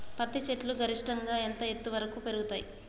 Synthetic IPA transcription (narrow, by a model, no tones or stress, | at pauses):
pɐt̪ːit͡ʃeʈluɡɐɾiʂʈɐŋɡaːent̪ɐet̪ːuʋɐɾɐkuːpe̞ɾuɡut̪aːji